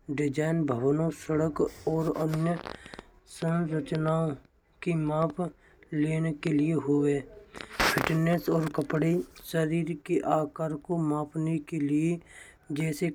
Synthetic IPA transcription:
ɖɪd͡ʒaːɪnbʱəʋnõsəɽəkɔːɾənjə | sə̃nɾət͡ʃnaõ | kimaːpʰ | leːnekelɪeɦoʋeːpʰɪʈnesɔːɾkəpɽiʃəɾiːɾkeʔaːkaːɾkomaːpʰnekelie | d͡ʒɛːse

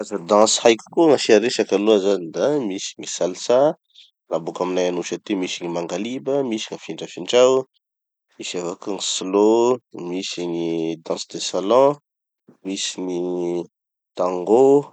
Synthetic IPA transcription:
azad̪ɑ̃shajkkoŋasiaɾeʃakaluazanid̪amisi̥ŋisalsa | labukaminajanuʃat̪imisiŋimaŋɡalibəmisi̥ŋafiɳɖ͡ʐafiɳʈ͡ʂaw | misavakuŋislomisiŋid̪ɑ̃sd̪esalɑ̃ | misiŋi | t̪aŋɡo

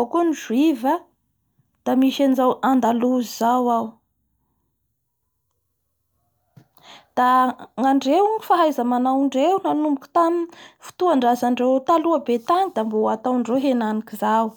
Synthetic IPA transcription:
kuniʒuivə | d̪̥amiʃanzawand̪aluzizawaw | d̪̥aŋaɳɖ͡ʐewŋifaɦajzamanawɳɖ͡ʐewnanumbukʲu̥t̪anifu̥t̪uaɳɖ͡ʐazaɳɖ͡ʐewt̪aluabet̪aŋid̪amboat̪awɳɖ͡ʐewɦenanikizaw

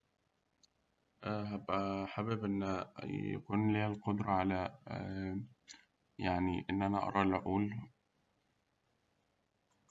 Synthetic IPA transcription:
ʔɦæbʔæħabɪbʔenːjæ̰kuːnliːhælqod̪ɾˤɑʕalæ | jaʕniʔɪnːʔænæʔɑ̰ɾˤɑːlʔʔuːl

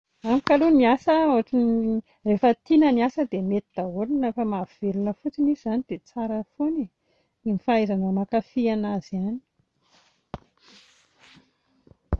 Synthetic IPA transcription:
amikaluniasəoʈ͡ʂin | refət̪inəniasəd̪emet̪id̪̥aoɾinefəmav̥elunəfut͡sinizzanid̪et͡saɾəfoni | imifaajzanəmakafianaz̥iani̥

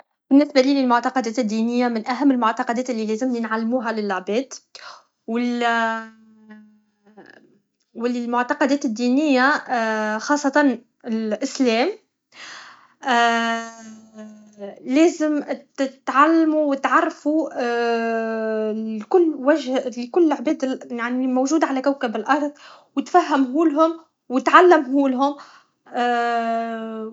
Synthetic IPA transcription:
bɪnːɪsbaliːlɪlmʊʕt̪ɑqɑd̪ɛːt̪ɪd̪ːiːnɪjːamɪnʔæɦæmːɪlmʊʕt̪ɑqɑd̪ɛːt̪ɪlːilɛːzɪmɪnʕalːmuːɦalɪlːoʕbɛːt̪ | wɪl | wɪllmʊʕt̪ɑqɑd̪ɛːt̪ɪd̪ːiːnɪjːa | xɑːsˤːɑt̪ɑn | ɪlʔɪslɛːm | lɛːzɪmt̪ʕalːmuwɪt̪ʕɑrˤːfu | kʊlːwæʒlkʊlːʕbɛːd̪jaʕnimowʒuːd̪ʕalækæwkabɪlʔɑɾˤðˤ | wɪt̪fæɦːɪmɦuːlɦʊm | wɪt̪ʕalːɪmɦuːlɦʊm

